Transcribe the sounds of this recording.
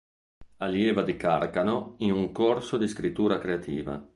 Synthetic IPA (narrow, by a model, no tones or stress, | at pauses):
aljeːvad̪ikaɾkanoinuŋkorsod̪iskɾit̪ːuːɾakɾeat̪ʰḭːva̰